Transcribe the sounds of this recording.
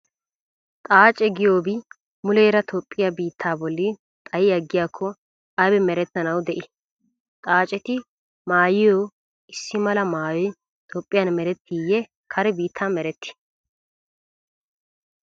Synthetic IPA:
t̪ʼaːt͡ʃʼɛɡɪjoːbɪ | mʊleːɾɐt̪ʰɔpʼːɪjabiːt̪ʰːaːbɔlːɪ | t̪ʼɐjɪɐɡːɪjaːkʰːɔ | ɐbɛmɛɾɛt̪ːɐnɐwd̪ɛʔɪ | t̪ʼaːt͡ʃʼɛt̪ɪ | maːjɪjoː | ɪsːɪmɐlɐmaːjɔj | t̪ʰoːpʼːɪjɐnmɛɾɛt̪ːiːjːɛ | kʰɐɾɛbiːt̪ʰːaːmɛɾɛt̪ːɪ̥

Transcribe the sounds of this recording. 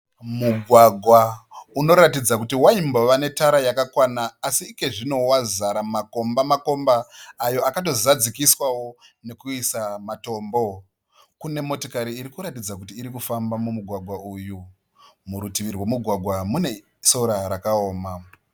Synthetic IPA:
muɡʱwaɡʱwauno̞ɾatid͡zakutiwaimboʋane̞taɾajakakwanaːsiːke̞ʐino̞wazaɾamako̞mbamako̞mbaːjo̞akat̬o̞zad͡zikiswawo̞ne̞kuisamato̞ːmbo̞ | kune̞mo̞tokaɾiːɾikuɾatid͡zakutiːɾikufambamumuɡʱwaɡʱwauju | muɾutiʋirwe̞muɡʱwaɡʱwamune̞ | so̞ɾaɾakaoːma

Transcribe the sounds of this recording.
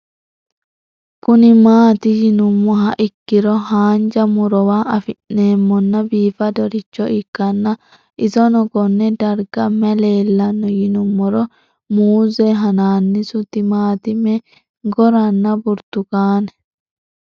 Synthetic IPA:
kʊnɪmaːt̪ɪjɪnʊmːɔɦɐʔɪkːɪɾɔhaːnd͡ʒɐmʊɾɔwaːɐfɪnnːe̞ːmːɔnːɐbiːfɐd̪ɔɾɪt͡ʃːɔɪkːɐnːɐ | ʔɪsɔnɔɡɔnːɛd̪ɐɾɡɐmɛle̞ːlːɐnːɔjɪnʊmːɔɾɔ | muːzɛɦɐnaːnːɪsʊt̪ːɪmaːt̪ɪmɛ | ɡɔɾɐnːɐbʊɾt̪ʊkaːnɛ

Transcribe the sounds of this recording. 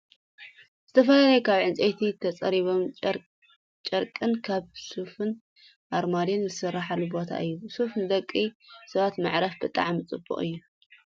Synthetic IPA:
z̥ɨt̪ʰɐfɐlalɐjukʰaβʕɨnt͡sʼejt̪ʰit̪ʰɐt͡sʼɐɾiβo̞m | t͡ʃʼɐɾkʼɨnkʰaβsufɨn | ʔaɾmad̪enzɨsɨrːaħalːubo̞t̪ʰa̰ʔɨjːusufnɨd̪ɐkʼːisɐβat̪maʕɾɐfbɨt̪ʼa̰ʕmɨt͡sʼɨbṵχʼɨjːu

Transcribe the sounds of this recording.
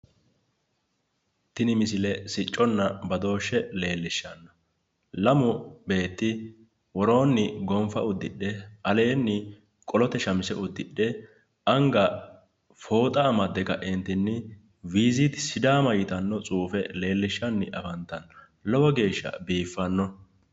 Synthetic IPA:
t̪ɪnɪmɪsɪlɛsɪt͡ʃʼːɔnːɐbɐd̪o̞ːʃːɛle̞ːlːɪʃːɐnːɐ | lɐmʊbe̞ːt̪ːɪ | wɔɾo̞ːnːɪɡɔmfɐʊd̪ːɪɗːɛɐle̞ːnːɪ | kʼɔlɔt̪ɛʃɐmɪsɛʊd̪ːɪɗːɛ | ʔɐŋɡɐ | fo̞ːt̪ʼɐːmɐd̪ːɛkɐ̰ʔɛnt̪ɪnːɪ | wiːzit̪sɪd̪aːmɐjɪt̪ɐnːɔt͡sʼuːfɛle̞ːlːɪʃːɐnːɪʔɐfɐnt̪ːɐn | lɔwɐɡe̞ːʃːɐ̰biːfːɐnːɔ

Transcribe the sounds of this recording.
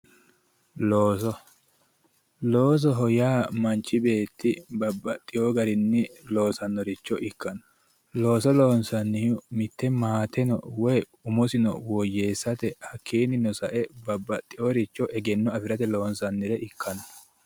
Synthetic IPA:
loːsɔ | lo̞ːs̬ɔɦɔjaːmɐnt͡ʃːɪbe̞ːt̪ːɪbɐbːɐt̪ʼːɪjoɡɐɾɪnːɪlo̞ːsɐnːɔɾɪt͡ʃːɔʔɪkːɐnɔ̥ | lo̞ːsɔloːnsɐnːɪjʊmɪt̪ːɛmaːt̪ɛnɔwɔj | ʊmɔsɪnɔ̰wɔjːe̞ːsːɐt̪ɛhɐkːiːnɪnɔsɐʔɛbɐbːɐt̪ʼːɪjɔɾɪt͡ʃːɔʔɛɡɛnːɔɐfɪɾɐt̪ɛlo̞ːnsɐnːɪɾɛʔɪkʰːɐnɔ

